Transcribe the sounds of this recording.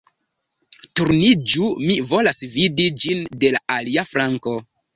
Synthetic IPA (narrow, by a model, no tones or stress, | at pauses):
tuɾnid͡ʒumivo̞lasvidid͡ʒinde̞laʔaliafɾaŋko̞